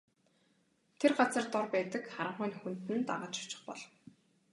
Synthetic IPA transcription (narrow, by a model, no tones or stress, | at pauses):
t̪ʰerɢat͡sə̆rt̪ɔrpæːt̪ə̆kχaɾə̆ɴχʊːnxunt̪ɘ̆nt̪a̰ʁə̆ːt͡ɕɔ̥t͡ɕɪ̥̆χpɔɮ